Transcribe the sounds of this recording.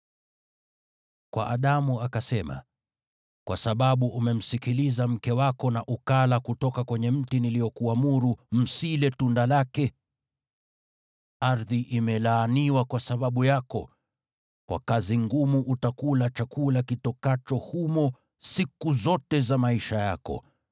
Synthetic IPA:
kwa̰ʔaɗamuakasɛma̰ | kwa̰saɓaɓuʔumɛm̩sikilizam̩kɛwakɔnaʔukalakutɔkakwɛɲɛm̩tiniliɔkuamuɾum̩silɛtundalakɛ | aɾðiʔimɛlaːniwakwasaɓaɓujakɔ̰ | kwa̰kaziŋɡumuʔutakulat͡ʃakulakitɔkat͡ʃɔhumɔ | sikuzɔtɛzamaiʃajakɔ̰

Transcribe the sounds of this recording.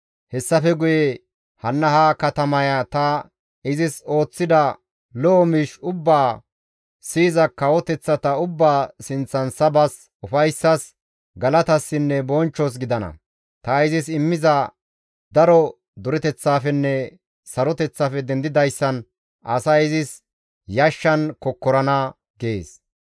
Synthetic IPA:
hɛsːɐfɛɡʊjɛ | hɐnːɐhakɐt̪ɐmɐjɐt̪ɐ | ɪzɪso̞ːt͡sːɪd̪ɐ | lɔʔːmiːʃʊbːaː | siːzɐkːɐwɔt̪ɛt͡sːɐt̪ɐʊbːaːsɪnt͡sːɐnsɐbɐs | ʊfɐjsːɐs | ɡɐlɐt̪ɐsːɪnːɛbɔnt͡ʃːɔs̬ɡɪd̪ɐnɐ̰ | t̪ɐɪzɪsɪmːɪzɐ | d̪ɐɾɔ | d̪ʊɾɛt̪ɛt͡sːaːfɛnːɛ | sɐɾɔt̪ɛt͡sːafɛd̪ɛnd̪ɪd̪ɐjsːɐn | ʔɐsɐɪzɪs | jɐʃːɐnkɔkːɔɾɐnɐ | ɡeːs

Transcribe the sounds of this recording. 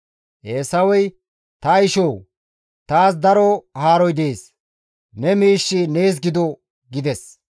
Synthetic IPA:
ʔeːsɐwɔj | t̪ɐjɪʃoːw | t̪aːs̬d̪ɐɾɔhaːɾɔjd̪eːs | nɛmiːʃːɪne̞ːs̬ɡɪd̪ɔ | ɡɪd̪ɛs

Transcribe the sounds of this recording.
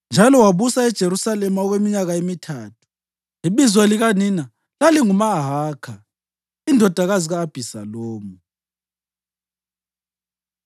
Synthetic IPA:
nd͡ʒʱalɔwaβusaɛd̥ʒ̥ʱeɾusalɛmaɔɣwemiɲaɣaemitʰaːtʰu̥ | iβizwaliɣanina | laliŋumaɦaːkʰa | indʱɔd̥ʱaɣaziɣaːb̥ʱisa̰loːmu

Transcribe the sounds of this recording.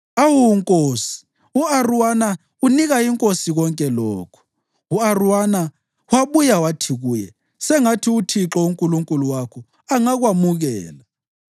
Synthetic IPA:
awuŋkʼoːsi̥ | uaruwana | uniɣaiŋkʼosiɣ̬ɔŋkʼɛlɔːkʰɔ̥ | uaruwana | waɓujawatʰiɣuːjɛ̰ | sɛŋatʰiutʰiǁɔuŋkʼuluŋkʼuluwakʰɔ | aŋaɣ̬wamuɣɛːla

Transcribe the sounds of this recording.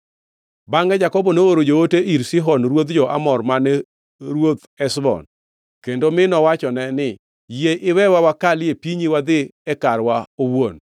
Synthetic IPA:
baŋɡɛd͡ʒakɔbɔnooɾod͡ʒooteʔiɾsɪɦɔnɾwot̪d͡ʒɔʔa̰mɔrmanɛ | ɾwot̪ | ɛsbɔ̰n | kendomɪnɔwat͡ʃɔnɛnɪ | jeʔɪwɛwawakalɪepiɲiwad̪ɪɛkaɾwaowon

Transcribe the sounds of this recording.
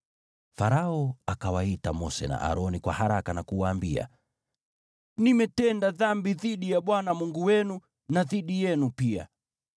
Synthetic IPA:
faɾaɔakawaitamɔsɛna̰ʔa̰ɾɔnikwahaɾakanakuwaːmbia̰ | nimɛtɛndaðambiðiɗijaɓwanamuŋɡuwɛnu | naðiɗijɛnupia̰

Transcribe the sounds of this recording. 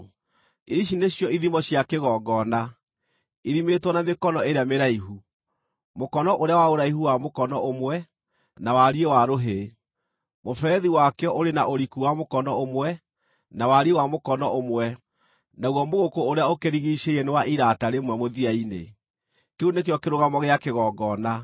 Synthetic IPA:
iʃ̬ineɕjɔiðimɔɕjakeɣɔːɡɔna | iðimetwɔnamekɔnɔeɾeameɾaiɦu | mokɔnɔʔoɾeawaoɾaiɦuwamokɔnɔomwɛ | nawaɾiewaɾoɦe | mofɛːðiwakɛɔʔoɾenaʔoɾikuwamokɔnɔomwɛ | nawaɾiewamokɔnɔʔomwɛ | naɣɔmoɣokoːɾeaokeɾiɣiːʃeiɛnewaʔiɾataɾemwɛmoðiainḛ | keunekjɔkeɾoɣamɔɣeakeɣɔɡɔna

